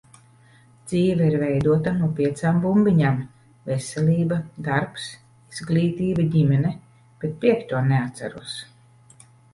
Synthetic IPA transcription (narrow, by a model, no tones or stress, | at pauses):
d̪z̥iːvɛiɾvɛjd̪uɔt̪anuɔpʲiɛt̪saːmbumbiɲam | vɛsɛlʲiːbad̪aɾps | iz̥ɡlʲiːt̪iːbaɟʲimɛnɛ | b̥et̪̚pʲiɛkt̪uɔneat̪sʲa̰ɾṵɔs